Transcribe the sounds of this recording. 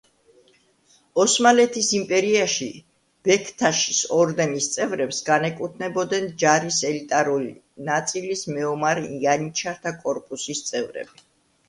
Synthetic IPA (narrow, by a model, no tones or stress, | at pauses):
ɔsmalɛt̪ʰisimpʼɛɾiaʃi | b̥ɛkʰt̪ʰaʃi̥sɔɾd̪ɛnist̪sʼɛvɾɛpsɡanɛkʼut̪ʰnɛbɔd̪ɛnd͡ʒaɾisɛlit̪ʼaɾuli | nat̪sʼilismɛɔmaɾianit͡ʃʰaɾt̪ʰakʼɔɾpʼusist̪sʼɛvɾɛ̰bi